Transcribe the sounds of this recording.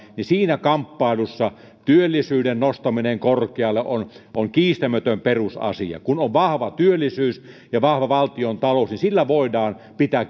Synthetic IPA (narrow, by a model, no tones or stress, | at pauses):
nisiːnækɑmpːɑˑelusːɑ | t̪yølːisyːdennost̪ɑmineŋkorkeɑlːeʔʔonʔoŋkiːst̪æmøt̪ømperusɑ̰sḭjɑ̰kunoʋʋɑhʋɑt̪yølːisyːs | jɑʋɑhʋɑʋɑlt̪iont̪ɑlosnisilːæʋoˑedɑːn | pit̪æk